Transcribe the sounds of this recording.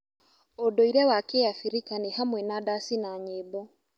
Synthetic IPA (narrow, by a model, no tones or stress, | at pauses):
odɔiɾɛwakejafiɾikanehamwɛnadasinaɲeːbɔ